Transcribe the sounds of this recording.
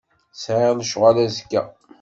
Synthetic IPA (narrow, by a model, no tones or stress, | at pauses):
sʕeʁlʃʁalæskːæ